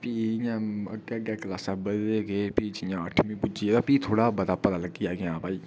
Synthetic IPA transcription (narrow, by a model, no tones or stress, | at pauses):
piːjãːəɡːɡɛːkəlaːsãːbədeːɡeːpiːd͡ʒɪjãːəʈʰmĩːpʊd͡ʒiːeːd̪aːpiːt̪ʰoːɽaːbəd̪aːpəd̪aːləɡːijaːɡeãːbaːiː